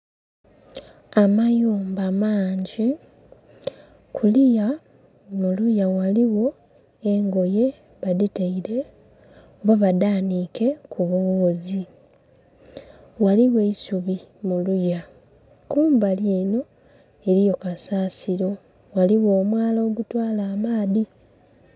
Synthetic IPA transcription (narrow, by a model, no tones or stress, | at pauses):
amajoːmbamaːɲɟi | kʰulija | mulujawaliwo̞ | eŋɡo̞je̞ | βaditeiɾe̞ | oβaβadaːnike̞kʰuβoːŋːzi | waliwe̞isuβimuluja | kuːmbaljeːno̞ | e̞ɾijo̞kasaːsiɾo̞ | waliwo̞ːmwaːloːɡutwaːlaːmaːði